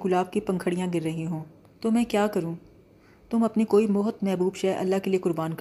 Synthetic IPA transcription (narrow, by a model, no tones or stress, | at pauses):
kʊlaːb̚kipɐ̃ŋkʰəɽijãɡɪɾːɐɦĩɦõː | t̪oːmɛ̃ːkjaːkɐɾũː | t̪ʊmɐpnikoːimɔɦt̪mɛɦbuːbʃɛːʔɐ̰lːakeliekʊɾbaːnk